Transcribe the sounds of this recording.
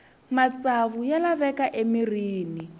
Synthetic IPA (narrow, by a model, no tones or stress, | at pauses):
mat͡sʼaβujalaβɛkaʔemiriːni